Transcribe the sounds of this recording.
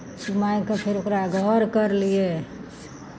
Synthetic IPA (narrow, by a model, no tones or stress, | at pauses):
umajkepʰeɾokɾaɡʱəɾkəɾlije